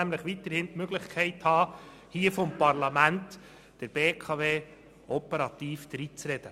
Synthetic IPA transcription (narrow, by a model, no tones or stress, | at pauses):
æmləχʋit̪əɾhɪntmøɡlɪχkʰɛɪthɑː | hiəfɔmpɑɾlɑmænt | d̥əɾb̥eːkʰɑveː | ɔpəɾɑt̪iːfd̥ɾit͡sɾɛd̥ə